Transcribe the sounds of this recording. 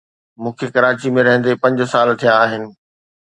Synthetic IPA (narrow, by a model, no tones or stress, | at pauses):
mũːkʰekɐɾaːt͡ɕimẽɾɐɦə̃n̆d̪epɐ̃ɲd͡ʑʊsaːlt̪ʰijãaːɦɪnɪ̆